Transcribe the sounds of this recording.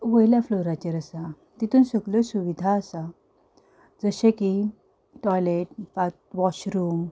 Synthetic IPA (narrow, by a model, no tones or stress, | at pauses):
ʋəjljafloɾat͡ɕeɾəsa | t̪it̪uːnsəɡlosuʋid̪ʱaəsa | d͡zəɕẽki | ʈɔjleʈ̚pat̪ʋɔɕɾuːm